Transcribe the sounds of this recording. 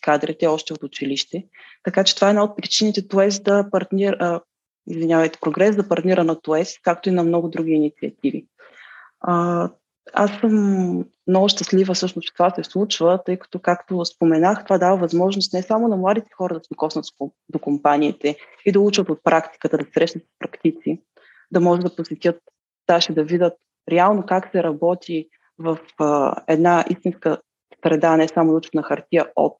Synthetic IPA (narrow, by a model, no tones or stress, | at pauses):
kad̪ɾɛt̪ɛɔʃt̪ɛot̪ʊt͡ʃiliʃt̪ɛ | t̪ɐkat͡ʃɛt̪ovaɛd̪naot̪̚pɾit͡ʃinit̪ɛt̪uɛsd̪ɐpɐɾt̪nʲiɾ | ḭzvinjavɐjt̪ɛ̥pɾoɡɾɛsd̪ɐpɐɾt̪nʲiɾənɐt̪uɛskak̚t̪oinɐmnɔɡʊd̪ɾuɡʲiːnit̪siət̪ivḭ | ə | a̰sːɤm | mnɔɡʊʃt̪əslivəsɤʃnoʊspɾi̥t̪ovasɛslˠut͡ʃvət̪ɤjkɐ̥t̪ɔkakt̪ospomɛnaxt̪ovad̪avəvɐzmɔʒnost̪nɛsamonɐmlˠad̪it̪ɛ̥xɔɾəd̪ɐsɛokɔsnɐət̪so | d̪okompaniːt̪ɛ | id̪ɐlˠut͡ʃvət̪ot̪̚pɾʔakt̪i̥kət̪əd̪ɐsɾɛʃnət̪sspɾɐkt̪it̪si | d̪ɐmɔʒɛd̪ɐposɛt̪ʲət̪̚ | t̪aʃid̪ɐvid̪ət̪̚ | ɾɛalˠnokaksɛɾɐbɔt̪ʰi | vɐfɛ̰d̪naist̪inskə | sɾɛd̪anɛsamonɐut͡ʃvənɐxɐɾt̪iəɔ̰p̚